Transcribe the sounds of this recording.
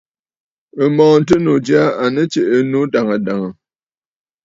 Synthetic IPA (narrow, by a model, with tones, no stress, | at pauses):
ə˨mɔː˨n̩˨˦t̬ə˦no˨d͡ʒi˦a˦a˨nə˦t͡ʃe˨ʔə˨no˦da˨ŋa˨da˨ŋa˨